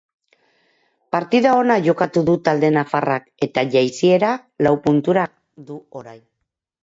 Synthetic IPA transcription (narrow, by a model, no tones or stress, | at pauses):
paɾt̪iðao̞naʝo̞kat̪uðut̪ald̪e̞nafarake̞t̪aʝajsie̞ɾalawpunt̪uɾa | d̪uoɾajn